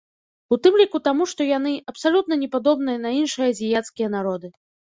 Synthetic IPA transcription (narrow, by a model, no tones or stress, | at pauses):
ut̪ɨmlʲikut̪amuʂt̪ɔjan̪ɨʔɐpsalʲut̪̚nɐnʲɛpad̪ɔbn̪ɨjɐnɐinʂɨjɐzʲijat̪skʲijɐn̪aɾɔd̪ɨ